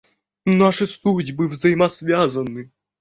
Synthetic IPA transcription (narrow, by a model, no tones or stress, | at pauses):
naʂɨsludʲbɨvzɐjɪmɐsvʲazɐnːɨ